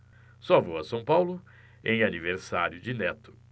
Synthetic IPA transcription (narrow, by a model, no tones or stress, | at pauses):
sɔvoɐsɐ̃w̃pawlʊ | ẽj̃aniveɾsaɾjʊd͡ʒɪnɛt̪ʊ̥